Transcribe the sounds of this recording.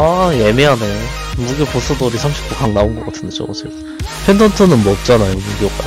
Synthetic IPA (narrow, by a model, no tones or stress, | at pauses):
aje̞meɦane | muɡepos͈ʰudoɾisʰamɕʰi̥p̚t͈okaŋnaonɡʌk͈atʰɯndd͡ʑo̰ʌ̰d͡ʑʰe | pʰendʰʌntʰɯnɯnmwʌːp̚t͡ɕ͈anajomeɡiok͈a̰